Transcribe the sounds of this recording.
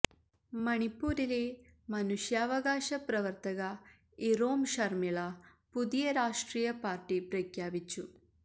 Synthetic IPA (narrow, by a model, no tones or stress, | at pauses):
mɐɳipuːɾileːmɐnuʃjaːʋɐɡaːʃɐpɾɐʋɐɾt̪ɐɡɐ | iɾoːmʃɐɾmiɭa | pud̪ijɐɾaːʂʈɾiːjɐpaːɾʈipɾɐkʰjaːʋit͡ʃːu